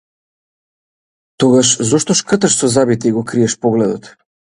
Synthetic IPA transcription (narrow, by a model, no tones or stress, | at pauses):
t̪ɔɡaʃzɔʃt̪ɔʃkəɾt̪aʃsɔzabit̪ɛiɡɔkɾiɛʃpɔɡlɛd̪ɔt̪